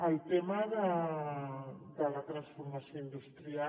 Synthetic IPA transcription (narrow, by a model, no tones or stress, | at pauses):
awt̪emaða | d̪alat̪ɾansfoɾmasjõĩnd̪ust̪ɾia